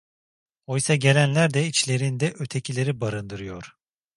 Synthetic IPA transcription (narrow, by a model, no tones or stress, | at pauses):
o̞jsaɟe̞lʲænlʲæɾd̪ɛit͡ʃlʲe̞ɾind̪ɛʔø̞t̪ʰe̞cʰilʲe̞ɾibaɾɯnd̪ɯɾɯjo̞ɾ̥